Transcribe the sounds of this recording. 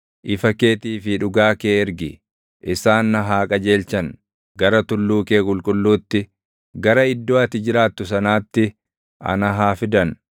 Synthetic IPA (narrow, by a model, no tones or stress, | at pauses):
ʔɪfɐke̞ːt̪iːfɪᶑʊɡaːkeːɛɾɡɪ | ʔɪsaːnːɐɦaːkʼɐd͡ʒeːlt͡ʃɐn | ɡɐɾɐt̪ʊlːuːke̞ːkʼʊlkʼʊlːuːt̪ːɪ | ɡɐɾɐɪd̪ːo̞ːɐt̪ɪd͡ʒɪɾaːt̪ːʊsɐnaːt̪ːɪ | ʔɐ̰nɐɦaːfɪd̪ɐn